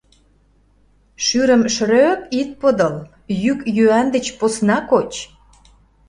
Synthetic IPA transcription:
ʃyɾə̆mʃɾøpit̪̚pəd̪ɤ̆l | jykjyænd̪ə̆t͡ɕposnɑkot͡ɕ

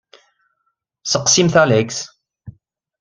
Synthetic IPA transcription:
səqsimθæleks

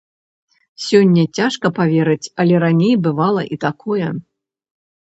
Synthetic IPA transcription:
sʲɔnʲːɐt͡sʲaʂkɐpavʲeɾɨt͡sʲɐlʲɛɾanʲejbɨvalˠɐ̰ʔit̪akʰɔjɛ

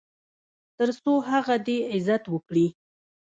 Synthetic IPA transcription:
t̪əɾsoɦaɣad̪eɪzat̪wəkɽi

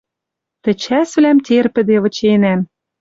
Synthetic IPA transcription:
t̪ɘ̆t͡ɕæsβlæmt̪ʲerpɘ̆d̪eβɤ̆t͡ɕenæm

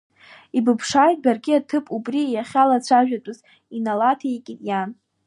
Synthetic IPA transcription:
ibɨpʰʂajtʼbarɡʲiatʰɨpʼubrijaχʲalat͡ɕʷʰaʒᶣatʼʊz | inalatʰaikʲʼɪtʼjan

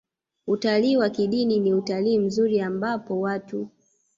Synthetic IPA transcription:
utaliːwakiɗininiutaliːm̩zuɾiambapɔwatu

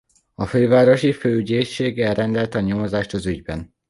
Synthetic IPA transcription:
ɒføːvaːɾo̞ʃiføːyɟeːʃeːɡɛlrɛnd̪ɛlt̪ɒɲomozaːʃt̪ɒzyɟbɛn

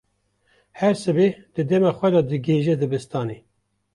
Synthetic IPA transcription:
hɛɾsɨbed̪̥ɨd̪ɛmɑːxʷɛd̪ɑd̪ɨɡeːʒɛd̪ɨbɨst̪ɑːne

